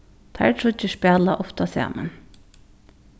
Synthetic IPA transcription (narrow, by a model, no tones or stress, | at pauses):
t̪ʰaʈʰɾʊt͡ʃːɪʂpæːla̰ʔɔft̪asa̰ːma̰n